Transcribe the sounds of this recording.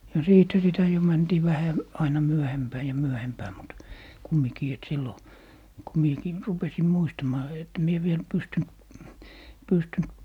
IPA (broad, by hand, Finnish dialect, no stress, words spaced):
jɑ siːthæ sitæ jo mæntiː ʋæhæ ɑinɑ myøhempæː jɑ myøhempæː mut kumːikiː et silːo ko miekiː rupesim muistɑmɑː et mie ʋiel pystynt pystynt